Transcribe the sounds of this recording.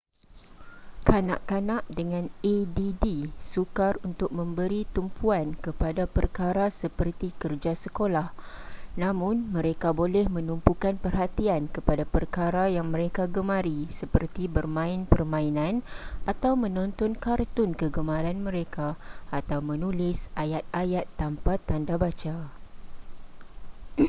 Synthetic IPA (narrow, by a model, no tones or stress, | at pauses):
kana̰ʔkanãʔdəŋãnedidisukarunt̪ʊk̚mə̃mbəɾit̪umpʰuankəpadapərkaɾasəpərt̪ikərd͡ʒasəkolahnãmʊ̃nmə̃ɾekabolɛhmə̃numpukanpərɦat̪iankəpadapərkaɾajaŋmə̃ɾekaɡəmãɾisəpərt̪ibərmãɪnpərmãinãnʔat̪awmə̃nɔ̃nt̪ɔnkart̪ʊnkəɡəmãɾanmə̃ɾekaːt̪awmə̃nulɪsʔajat̪̚ajat̪ːampat̪ːandabat͡ʃa